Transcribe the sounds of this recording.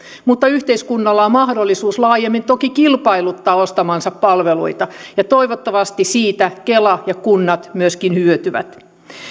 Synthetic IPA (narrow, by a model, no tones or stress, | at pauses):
mut̪ːɑyht̪eiskunːɑlːɑommɑhdolːisuːslɑːjemːint̪okikilpɑilut̪ːɑːost̪ɑmɑnsɑppɑlʋelṵit̪ɑjɑt̪oiʋot̪ːɑʋɑst̪isiːt̪ækelɑjɑkunːɑt̪myøskinhyøt̪yʋæ̰t̪